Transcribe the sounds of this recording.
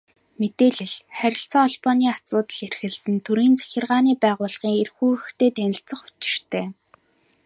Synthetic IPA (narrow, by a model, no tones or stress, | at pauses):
met̪eːɮĭɮχæɾʲɪ̆ɬt͡sɔːɔɮpɔniːat͡sʊːt̪ə̆ɮerxɘ̆ɮsɘ̆nt̪ʰuɾiːnt͡sæ̥xʲɪ̆rʁaːniːpæːʁʊːɮχiːŋerxuːrɵ̆xt̪ʰeːt̪ʰænʲɪ̆ɬt͡sə̆χʊ̥t͡ɕɪ̥̆r̥t̪ʰeː